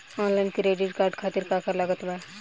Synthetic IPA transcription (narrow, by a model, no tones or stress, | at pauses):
ɔːnlaɪnkiɾeːɖiʈkaːɾɖkʰaːt̪ɪɾkaːkəɾlɐɡət̪ʋaː